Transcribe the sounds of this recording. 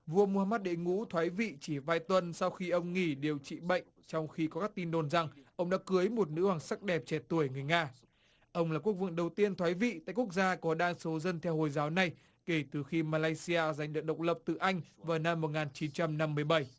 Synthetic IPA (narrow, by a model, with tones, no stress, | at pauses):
vu˧əmu˧haː˧maː˦˥t̚ɗe˧˦ŋṵ˧˥t̪ʰwaː˨˦jvḭ˧˨t͡ɕi˧˩vaː˧jt̪wə˧nsa˧wxi˧ʔə˧wŋ͡mŋi˧˩ɗe˨˩wt͡ɕḭ˧˨ɓə̰˧˨jŋ̟t͡ɕɔ˧wŋ͡mxi˧kɔ˨˦kaː˦˥k̚t̪i˧nɗo˨˩nza˨˩ŋʔə˧wŋ͡mɗa̰ː˧˥kɨ˨˦əjmo˨˩t̚nɨ̰˧˥waː˨˩ŋsa˦˥k̚ɗɛ˨˩p̚t͡ɕɛ˨˩t̪u˧˩əŋɨ˨˩əjŋaː˧ | ʔə˧wŋ͡mlaː˨˩ku˦˥ək̚vɨ̰˧˨əŋɗə˨˩wt̪i˧ənt̪ʰwaː˨˦jvḭ˧˨t̪a̰˧˨ku˦˥ək̚zaː˧kɔ˨˦ɗaː˧ŋso˨˦zə˧nt̪ʰɛ˧who˨˩jzaː˨˦wna˨˩j | ke˧˩t̪ɨ˨˩xi˧maː˧laː˧jsi˧aː˧za˨˩jŋ̟ɗɨ˨˩ək̚ɗə˨˩wk͡p̚lə˨˩p̚t̪ɨ̰˨˩ʔa˧jŋ̟vaː˨˩wna˧mːo˨˩t̚ŋaː˨˩nt͡ɕi˨˦nt͡ɕa˧mna˧mːɨ˧˩əjɓə˧˩j